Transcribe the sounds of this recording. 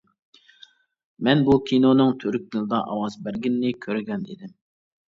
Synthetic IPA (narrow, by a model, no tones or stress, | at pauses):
mɛnbukʲʰinonɨŋt̪ʰøɾyk̚ʲd̪ɨlˠɨd̪ɑʔɑwɑzbæɾɡʲinːɪkʲʰøɾɡʲɛnd̪ɪd̪ɪm